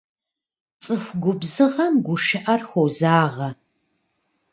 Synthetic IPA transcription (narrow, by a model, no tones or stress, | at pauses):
t͡sʼɨxʷɡʷʊbzɨʁɐmɡʷʊʃɐʔɐrxʷowzaːʁɐ